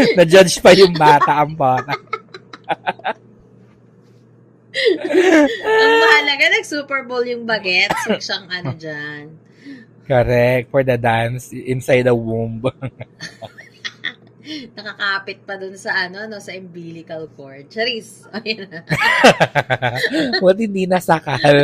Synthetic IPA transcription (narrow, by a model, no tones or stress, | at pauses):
nɐd͡ʒɐd͡ʒpɐjʊŋbaːt̪ɐʔɐŋbaːt̪ɐ | aɐmɐhɐlɐɡanɐɡsuːpɛɹboljʊŋbɐɡɛt̪̚sɐʃɐŋʔɐnod͡ʒan | kɐɾɛkt̪fɔɹd̪ɐd̪ansʔɪnsajd̪ɐwumb | nɐkɐkaːpɪt̪̚pɐd̪ʊnsɐʔɐno̞no̞sɐʔɪmbiːlɪkɐlkoɹd̪̚t͡ʃɐɾisʔɐjɐn | wɐt̪̚hɪnd̪inɐsɐkal